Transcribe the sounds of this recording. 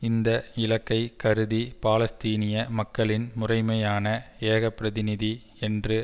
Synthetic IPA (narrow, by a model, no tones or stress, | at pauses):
ɪnd̪ɐɪlɐkːɐɪkɐɾɯðipaːlɐst̪iːnɪjɐmɐkːɐɭɪnmʊrɐɪmɐjaːnɐeːɣɐpːɪɾɐðɪnɪði | ɛndrɯ